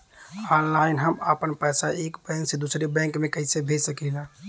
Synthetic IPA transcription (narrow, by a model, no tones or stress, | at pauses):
aːnlaːɪnɦəməpənpəsaeːkbɛ̃ŋksed̪usɾebɛ̃ŋkmẽkəɪsebʱesəkila